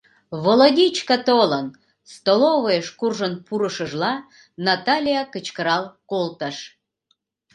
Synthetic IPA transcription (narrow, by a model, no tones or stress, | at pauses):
βoloɣʲit͡ɕkət̪olən | st̪oloβəjeʃkurʒənpuɾəʃəʒlɑ | nɑt̪ɑlʲijakət͡ɕkəɾɑlkolt̪əʃ